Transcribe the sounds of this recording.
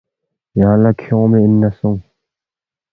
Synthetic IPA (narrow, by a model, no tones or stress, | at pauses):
jaːlakʰjomeʔɪnːasoŋ